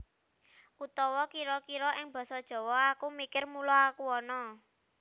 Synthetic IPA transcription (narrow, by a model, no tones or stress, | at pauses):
ʔut̪ɔwɔkiɾɔkiɾɔʔɪŋb̥ɔ̤sɔd̥ʒ̥ɔ̤wɔakumikɪrmulɔakuɔnɔ